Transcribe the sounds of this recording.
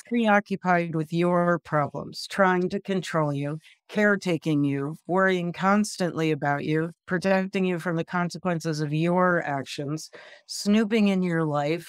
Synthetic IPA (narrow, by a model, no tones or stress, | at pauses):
pʰɹ̥iɑkjɨpʰaɪd̚wɨðjəpʰɹ̥ɑblə̰̃mz̥tʰɹ̥aɪɪ̃ŋtɨkʰɨ̃ntʰɹ̥oʊlˠjʉ | kʰɛɹtʰeɪkɪ̃ŋjɨwɜ˞iɪ̃ŋkʰɑ̃nstɨ̃nʔliɨbaʊt͡ʃʉpʰɹ̥ɨtʰɛk̚tɪ̃ŋjɨfɹʌ̃mðɨkʰɑ̃nsəkwɛ̃nsɨzʌvjə˞ækʃɨ̃nz̥snʉpɪ̃ŋɪ̃njə˞laɪf